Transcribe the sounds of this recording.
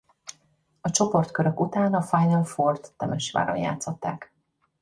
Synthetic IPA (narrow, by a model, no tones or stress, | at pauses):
ɒt͡ʃo̞po̞rt̪kø̞ɾøkut̪aːnɒfajnɒlfort̪ːɛmɛʃʋa̰ːɾo̰nja̰ːt̪so̞t̪ːaːk